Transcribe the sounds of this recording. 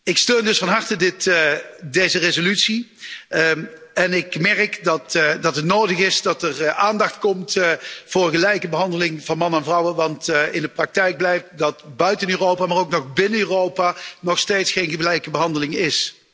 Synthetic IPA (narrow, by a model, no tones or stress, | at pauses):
ɪkstøːndɵsfɑnɦɑɹtədɪtdejzərezolytsi | ɛnɪkmɛrkdɑtdɑtɦətnoːwdəɣɪsdɑtəraːndɑxtkɔmtv̥ʊːrɣəlɛjkəbəɦɑndəlɪŋvɑnmɑnənɛnvrʌwənʋɑntɪndəprɑk̚tɛjɡ̚blɛjft̚dɑtbœɥtənøːrowpaːmaːrowknɔχbɪnənøːrowpanɔxsteːtsxejnɣəlɛjkəbəɦɑndəlɪŋɪs